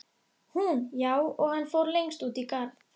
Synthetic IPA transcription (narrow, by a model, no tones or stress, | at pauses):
hunjaːwɔɣhanːfowɾlejŋst̪uːt̪ikaɾ